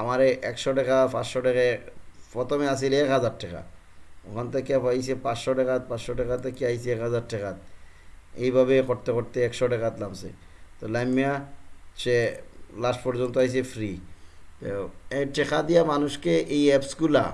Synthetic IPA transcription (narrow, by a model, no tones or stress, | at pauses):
amaɾeʔɛkʃɔʈɛkapãsʃɔʈɛkafɔt̪ɔmeas̬ilɛkɦazaɾʈɛka̰ | ɔkʰant̪akiapais̬epãsʃɔʈɛkat̪̚pasʃɔʈɛkat̪akiajsiɛkɦazaɾʈɛkat̪̚ | ejbʱaβekɔɾt̪ekoɾt̪eɛkʃɔʈɛkat̪lamsḛ | t̪ɔlajmːiaselasʈpɔɾzɔnt̪ɔɦajs̬efɾit̪ɔɛʈɛkad̪ijamanuʃkeʔejɛpsɡula̰